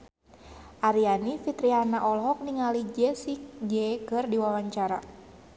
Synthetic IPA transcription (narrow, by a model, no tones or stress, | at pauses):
ʔaɾianifit̪ɾianaʔɔlɦɔk̚niŋalid͡ʒɛsik̚d͡ʒɛkɨrdiwawaɲt͡ʃaɾa